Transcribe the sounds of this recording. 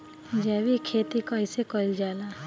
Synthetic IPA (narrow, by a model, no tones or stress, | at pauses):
d͡ʒɛːwikʰeːt̪ikaɪsekɔld͡ʒaːlaː